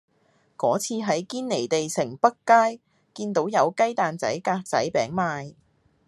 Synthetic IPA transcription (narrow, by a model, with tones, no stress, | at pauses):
kɔː˨˥t͡sʰiː˧ɦɐ˨˥jkiː˥nne˨˩jt̪e˨jsɪ˨˩ŋpɐ˥kkːaː˥j | kiː˧nt̪o˨˥wjɐ˨˧wkɐ˥jt̪aː˨nt͡sɐ̰˨˥jkaː˧k̚t͡sɐ̰˨˥jpɛː˨˥ŋmaː˧j